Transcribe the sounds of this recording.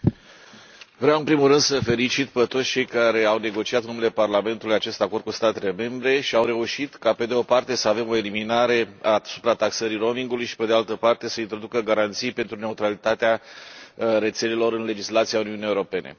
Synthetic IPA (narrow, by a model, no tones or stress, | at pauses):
vɾeawɨnpɾimulrɨnd̪səfe̞lit͡ʃit̪pet̪ot̪sʲt͡ʃe̞jkaɾe̞awne̞ɡo̞t͡ʃiat̪ɨnumele̞parlame̞nt̪ulujat͡ʃe̞st̪ako̞rd̪̚kust̪at̪e̞le̞me̞mbɾe̞ʃiawre̞uʃit̪kape̞d̪eo̞part̪e̞səave̞mo̞e̞liminaɾe̞asu̥pɾat̪aksəɾiro̞miŋɡulujʃi̥pe̞d̪ealt̪əpart̪e̞səint̪ɾo̞d̪ukəɡaɾant̪sijpe̞nt̪ɾune̞ut̪ɾalit̪at̪ea | re̞t̪se̞le̞lo̞ɾɨnle̞d͡ʒislat̪sijauniunijeuɾo̞pe̞ne̞̰